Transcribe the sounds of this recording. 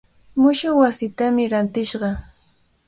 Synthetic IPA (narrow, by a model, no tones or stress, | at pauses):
mʊʃowasɪt̪amɪɾant̪ɪʃɢɑ